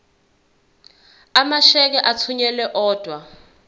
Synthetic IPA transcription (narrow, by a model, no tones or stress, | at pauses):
amaʃɛk̬ɛʔat͡sʰuɲɛlɛʔɔːd̥ʱwa